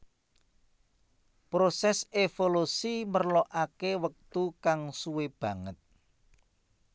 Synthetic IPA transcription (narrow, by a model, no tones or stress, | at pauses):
pɾosɛsefolusimərlɔʔakewək̚t̪ukaŋsuweb̥ä̤ŋət̪̚